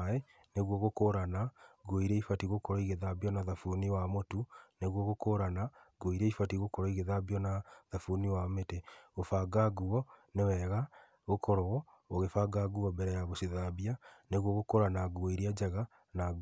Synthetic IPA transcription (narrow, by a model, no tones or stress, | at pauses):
e | neɣwɔɣokoɾanaɡuoiɾeifatiɣokɔɾɔiɣeðabiɔnaðafuniwamotuneɣwɔɣokoɾanaɡoiɾeifatiɣokɔɾɔiɣeðabiɔnaðafuniwameteofaɡaɡuɔnewɛɣa | ɣokʰɔɾɔɔ | oɣefaɡaɡuɔbɛɾɛjaɣosiðabianeɣwɔɣokoɾanaɡwoiɾiad͡ʒaɣa | naɡ